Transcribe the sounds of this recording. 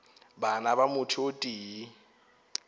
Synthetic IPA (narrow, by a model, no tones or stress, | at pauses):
banabamʊtʰiotʼiːi